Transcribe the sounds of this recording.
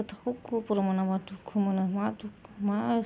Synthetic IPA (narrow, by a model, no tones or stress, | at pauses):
t̪akukupuɾomanamadukʰumanamat̪ukma